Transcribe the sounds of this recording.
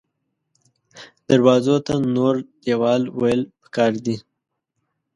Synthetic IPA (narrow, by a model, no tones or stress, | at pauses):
d̪̥aɾwɑzot̪anoɾd̪ewɑlwajəlpə̥kɑɾd̪i